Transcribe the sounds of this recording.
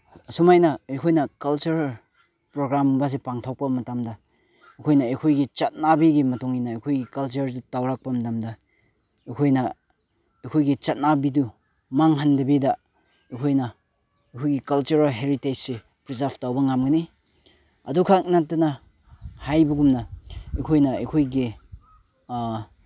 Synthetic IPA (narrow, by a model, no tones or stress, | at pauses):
sumajnɐejkʰojnɐkɐlt͡ʃuɾal | pɾoɡɾambɐs̬epaŋtʰawk̚pɐmɐtamdɐ | ikʰojnɐejkʰojɡit͡ʃɐt̚nabiɡimɐtuŋinɐːjkʰojɡikɐlt͡ʃɐɾdutawɾak̚pɐmɐdamdɐ | ekʰojnɐ | ekʰojɡit͡ʃɐt̚nabidu | maŋɦandɐbidɐ | ikʰojnɐ | ejkʰojɡikɐlt͡ʃuɾalɦeɾited͡ʒse | pɾizaɾpʰtawbɐŋamɡɐni | ɐ̰dukʰak̚natːɐnɐ | hajbɐɡumnɐekʰojnɐɐ̰kʰojɡi